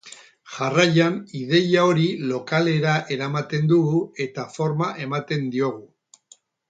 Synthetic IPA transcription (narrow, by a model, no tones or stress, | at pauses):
ʝarajanið̞e̞jao̞ɾilo̞kale̞ɾaʔe̞ɾamat̪e̞nd̪uɣue̞t̪afo̞ɾmaʔe̞mat̪e̞nd̪io̞ɣ̞u